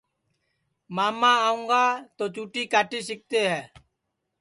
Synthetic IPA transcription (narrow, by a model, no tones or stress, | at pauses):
maːmãːaːũːŋɡaːt̪oːt͡ʃuːʈiːkaːʈiːsɪk̚t̪eːɦɛː